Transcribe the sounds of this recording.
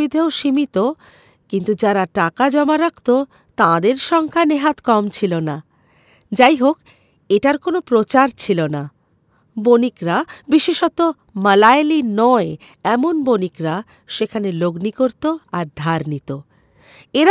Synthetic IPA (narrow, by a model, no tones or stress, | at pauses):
id̪ʱeoʃimit̪o | kint̪ud͡ʑaɾaʈakad͡ʑɔmaɾakʰt̪o | t̪ãd̪eɾʃɔŋkʰaneɦat̪kɔmt͡ɕʰilona | d͡ʑajɦok | eʈaɾkonopɾot͡ɕaɾt͡ɕʰilona | bonikɾabiʃeʃot̪o | məlajlinɔe | ɛmonbonikɾa | ʃekʰaneloɡnikoɾt̪oaɾd̪ʱaɾnit̪o | eɾa